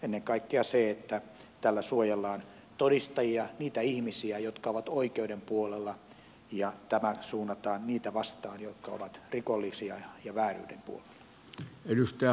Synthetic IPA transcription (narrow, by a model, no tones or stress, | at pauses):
enːeŋkɑikːeɑseet̪ːæ | t̪ælːæsuojelːɑːn | t̪odist̪ɑjiɑniːt̪æihmisiæjot̪kɑoʋɑt̪oikeudempuolelːɑ | jɑt̪æmæsuːnːɑt̪ɑːnniːt̪æʋɑst̪ɑːnjot̪kɑo̰ʋɑt̪rikolːisiɑjɑʋæːry̰ːdempṵolel̥ːɑ̥ɑ | edust̪ææ